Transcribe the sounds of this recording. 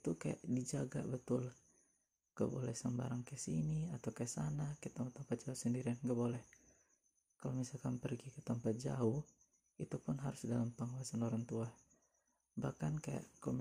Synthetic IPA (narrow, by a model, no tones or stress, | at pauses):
it̪ukaja̰ʔdid͡ʒaɡa̰bət̪ʊl | ɡ̥a̰bo̰lɛhsəmba̰ɾaŋkɛsiniat̪awkajaʔsanakɛt̪ɔmpat̪ːɔmpat̪̚d͡ʒausəndiɾianɡabolɛh | kalomisalkanpərɡikət̪ampat̪̚d͡ʒa̰u | it̪upʊnɦaɾʊsdalampəŋuasanoɾaŋt̪uah | bahkankaja̰ʔklm